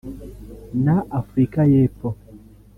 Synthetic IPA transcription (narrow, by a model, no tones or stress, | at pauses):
naʔafɾikajefo